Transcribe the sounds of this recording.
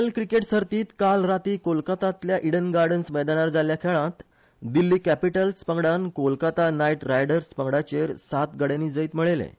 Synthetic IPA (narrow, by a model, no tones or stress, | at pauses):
əlkɾikeʈsəɾt̪iːt̪kalɾat̪iːkolkat̪at̪ljaʔiɽənɡaɾɖənsʋəɛd̪anaɾd͡zaljakʰeɭãt̪ | d̪ilːiːkæpiʈəlspəŋɡɽankolkat̪anajʈɾajɽəɾspəŋɡɽat͡ɕeɾsat̪ɡəɽeniːd͡zəiːt̪məɭelḛ